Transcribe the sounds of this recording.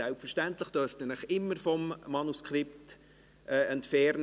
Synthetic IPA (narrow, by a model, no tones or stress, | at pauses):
ɛlpfəʃtæntləχd̥œɾftənəχɪmːəɾfɔmːɑnuskχɾɪpt | ʔɛɛntfɛɾn